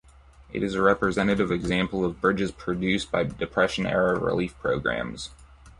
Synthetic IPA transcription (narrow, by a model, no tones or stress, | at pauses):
ʔɨ̰ɾɨzɨɹɛpɹɨzɛñɨɾɨvɨɡzæ̃mpl̩ˠʌvbɹɪd͡ʒɨz̥pʰɹ̥ɨdʉsb̥aɪdɨpʰɹ̥ɛʃɨ̃nɛ̰ɹəɹḭlifpʰɹ̥oʊɡɹæ̰̃mz̥